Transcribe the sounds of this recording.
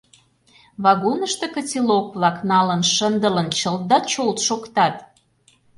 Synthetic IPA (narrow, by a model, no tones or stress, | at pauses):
βɑɣonəʃt̪ĕkə̆t͡silokβlɑknɑlənʃənd̪ələnt͡ɕəl̚d̪ɑt͡ɕolt̪ʃokt̪ɑt̪